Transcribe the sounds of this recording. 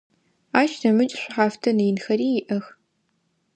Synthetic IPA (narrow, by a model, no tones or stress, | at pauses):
aːʃnɐmɨt͡ʃʼɕʷʊħaːftʰɐnɨjɪnxɐriːjɪʔɐx